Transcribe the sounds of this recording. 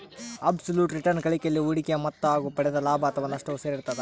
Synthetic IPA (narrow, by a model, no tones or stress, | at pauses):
ɐbsɐljuːʈɾiʈɐɾnkɐɭikeɐlːiuɽikɛjɐmɐt̪ːɐaːɡupɐɽɛd̪ɐlaːbʱɐːt̪ʰɐʋɐnɐʂʈɐʋuseːɾiɾt̪ɐd̪e